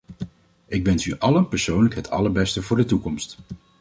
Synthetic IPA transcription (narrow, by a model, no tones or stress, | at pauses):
ɪɡʋɛnsyʔɑlənpɛɹsownləkɦətɑ̰ləɹbɛstəvʊːɹdətukɔmst